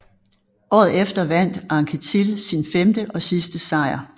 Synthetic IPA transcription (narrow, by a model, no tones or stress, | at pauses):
ʔɒ̰ːð̞̩ˠefd̥ɐʋæn̰d̥ɑ̈ŋkʰət͡sʰilsinfemd̥əʔɒ̽sisd̥əsɑ̈ɪ̰ɐ